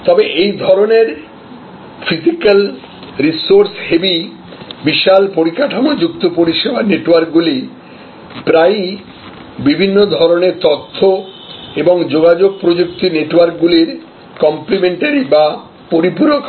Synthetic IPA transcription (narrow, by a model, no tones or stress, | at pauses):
t̪ɔbeʔejd̪ʱɔɾoneɾ | fʰisikal | ɾisoɾshebi | biʃalpoɾikaʈʰanod͡ʑukt̪opoɾiʃebaneʈwaɾkɡuli | pɾaj | bibʱinːod̪ʱɔɾoneɾt̪ɔt̪ʰːo | eboŋd͡ʑoɡad͡ʑoɡ̚pɾod͡ʑuk̚t̪ineʈwaɾkɡuliɾ | kɔmplimeɳʈaɾiba | poɾipuɾok